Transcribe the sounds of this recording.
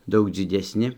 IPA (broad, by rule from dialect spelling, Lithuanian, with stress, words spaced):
ˈdɐʊk d͡zʲɪdʲɛsʲˈnʲɪ